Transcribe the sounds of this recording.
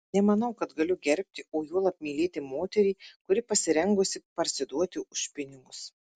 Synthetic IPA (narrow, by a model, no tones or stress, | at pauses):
nʲɛmɐnɐʊkɐt̪ɡɐlʲʊɡʲɛɾʲpʲt̪ʲɪoːjuɔlˠɐp̚ʲmʲiːlʲeːt̪ʲɪmoːt̪ʲɛɾʲiːkʊɾʲɪpɐsʲɪɾʲɛŋɡʊsʲɪpɐɾʲsʲɪd̪uɔt̪ʲɪʔʊʃpʲɪnʲɪɡʊs